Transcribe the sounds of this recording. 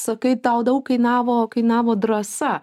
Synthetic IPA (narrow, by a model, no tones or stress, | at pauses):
sɐkɐɪt̪ɐʊd̪ɐʊkkɐɪnɑːʋoːkɐɪnɑːʋoːd̪ɾɐsɐ